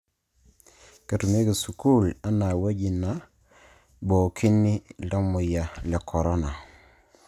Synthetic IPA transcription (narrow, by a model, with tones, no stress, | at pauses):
ka˨tu˨me˦ka˨su˨kuː˦la˦na˨wa˦ɟi˨na˦ | boː˨ki˦nːi˦la˦mu˨ja˨le˨kʰo˨ɾo˦na˨